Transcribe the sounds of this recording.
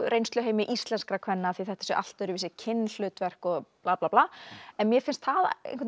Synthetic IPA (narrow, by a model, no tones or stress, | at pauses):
ɾejnst̪ʏɦeːjmɪʔist̪lɛnskɾakʰvɛnːaθviθɛht̪asœ̰ʔa̰l̥t̪ʏɾʏvɪːsɪcʰɪnːl̥ʏːt̪vɛr̥kɔɣplaːplaːplaːɛnmjɛfɪnst̪θaðḛjnkvɛt̪